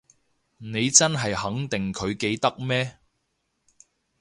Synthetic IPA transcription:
ne˨˧jt͡sɐ˥nɦɐ˨jhɐ˨˥ŋt̪ɪ˨ŋkʰɵ˨˧ɥke˨˧jt̪ɐ˥k̚mɛː˥

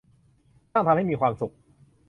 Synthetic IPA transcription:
a˥˩ŋt̪ʰa˧mha˥˩jmiː˧kʰwaː˧msu˨˩k̚

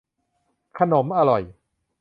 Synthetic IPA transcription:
kʰa˧no˩˦mʔa˧ɾɔ˨˩j

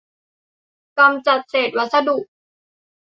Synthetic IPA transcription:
ka˧mt͡ɕa˨˩t̪̚seː˨˩t̪̚wa˦˥t̪̚sa˧du˨˩k̚

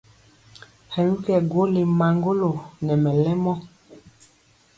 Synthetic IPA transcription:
hɛ˨nu˦kɛ˨ɡo˦le˨ma˨ŋɡo˦lo˨nɛ˨mɛ˨lɛ˦mɔ˦

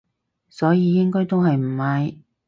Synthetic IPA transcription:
sɔː˨˥jiː˨˧jɪ˥ŋkɔː˥jt̪o˥wɦɐ˨jm̩˨˩hɐ˨˧j

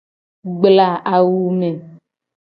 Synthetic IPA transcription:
ɡ͡bla˨ʔa˨wu˦me˨

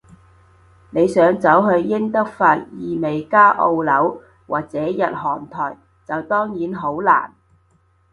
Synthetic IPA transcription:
ne˨˧jsœː˨˥ŋt͡sɐ˨˥wɦɵ˧ɥjɪ˥ŋt̪ɐ˥k̚faː˧t̚jiː˨˩me˨jkaː˥ʔo˧wlɐ˨˥w | waː˨k̚t͡sɛː˨˥jɐ˨t̚hɔː˨˩nt̪ʰɔː˨˩j | t͡sɐ˨wt̪ɔː˥ŋjiː˨˥nɦo˨˥wla̰ː˨˩n

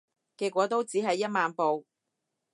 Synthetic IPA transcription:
kiː˧t̚kʷːwɔː˨˧˥t̪o˥wt͡siː˨˥ɦɐ˨jːɐ˥t̚maː˨˧npo˨w

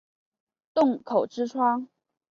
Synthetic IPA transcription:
t̪ʊ˥˩ŋkʰo˨˩ʊʈ͡ʂɻ̩˥ʈ͡ʂʰwa˥ŋ

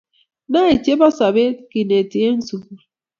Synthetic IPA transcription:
na˦e˨t͡ʃe˦ba˦sa˨be˦ki˨ne˨ti˨e˦n̩˦su˨

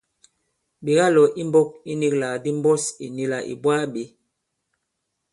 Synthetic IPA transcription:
bi˨ɡa˦lɔ˨ʔi˦m˦bɔ˦k̚i˦ni˦kla˨di˦m˦bɔ˦sḭ˨ni˦la˨ʔḭ˨bwa˦ɓe˨˦

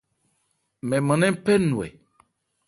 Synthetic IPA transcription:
mɛ̃˨mɛ̃˨nɛ̃˦pɛ˦nũ˨ɛ̰˨

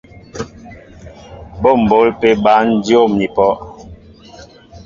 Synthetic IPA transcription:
bo˦˨m̩˨bo˨˦lpe˦ba˦n̩˦djo˦˨mni˨pɔ˦

